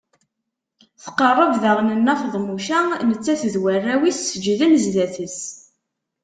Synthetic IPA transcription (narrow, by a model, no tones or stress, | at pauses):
θqərˤːəvðəʁnənːæfðˤmuʃænət͡sːæθðwərːæwisːəd͡ʒːðæmzðæθəs